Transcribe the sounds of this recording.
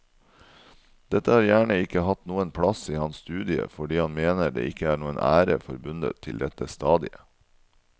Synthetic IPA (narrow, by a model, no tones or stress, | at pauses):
d̪̥ɛt̪əhɑːɾjæːɳəɪkəhɑt̪nuːənpʰɽɑsiːhɑnsst̪ʉːd̪ɪə̰fɔɖiːhɑnmeːnəd̪ḛːʔɪkəæːɳuːənʔæ̰ːɾəfɔɾbʉnd̪ə̰t̪ʰːɪld̪ɛt̪əst̪ɑːd̪ɪə